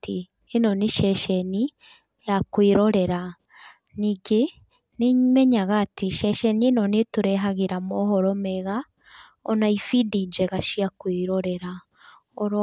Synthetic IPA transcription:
tiː | noniʃɛʃɛni | jakwiɾoɾeɾa | niɡe | nimɛɲaɣatiʃɛʃɛninonituɾɛɦaɣiɾamoɦɔɾomɛɣa | onaifidid͡ʒɛɣaʃiakwiɾoɾeɾa | oɾ

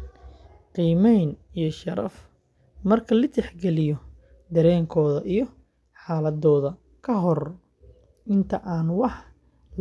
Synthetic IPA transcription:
qiːmɛjnijɞʃɐɾɐ̰f | mɐrkʰɐlɪt̪ʰɛħɡɛlɪjɔ | d̪ɐɾɛːŋkʰɔːðɐʔijɔ | ħɑːlɐðɔːðɐ | kʰɐɦɔr | ʔɪnt̪ʰɐʔaːnwɑħ

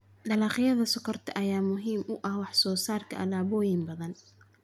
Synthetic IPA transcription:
ɖɐlɑːχɪjɐðɐsʊkʰɔrt̪ʰɐʔɐjaːmʊɦiːmʊʔɐhwɑħsɔːsaːrkʰɐʔɐ̰laːβɔːjɪmbɐðɐn

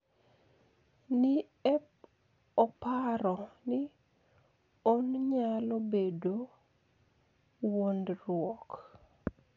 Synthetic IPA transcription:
nɪ | ɛp̚ | ɔpaɾɔnɪ | onɲalobedo | wondrwɔk

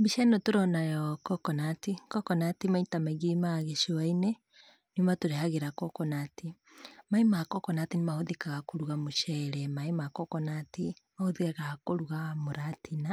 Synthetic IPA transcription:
biʃanɔtoɾɔnajɔkɔkɔnatikɔkɔnatimaitamɛɡimaɣeʃiwaine | njumatoɾehaɣeɾakɔkɔnaːti | maimakɔkɔnatinemahoðikaɣakoɾuɣamoʃɛɾɛmaemakɔkɔnatemahoðiɣaɣakoɾuɣamoɾatina

